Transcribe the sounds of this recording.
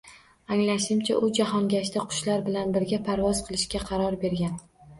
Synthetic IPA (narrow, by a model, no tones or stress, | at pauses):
aŋlaʃɪmt͡ʃʰa̰ʔʊd͡ʒaɦɒnɡʲaʃ̬t̪aqʰʊ̥ʃlaɾbɪlanbɪɾɡʲapʰaɾvɒz̥qʰɨlˠɪʃkʲaqʰɑɾɒɾbe̞ɾɡʲan